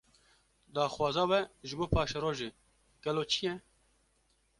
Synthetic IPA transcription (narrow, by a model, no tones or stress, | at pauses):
d̪ɑːxwɑːzɑːwɛʒɨboːpʰɑːʃɛɾoːʒeː | ɡ̥ɛloːt͡ʃʰijɛ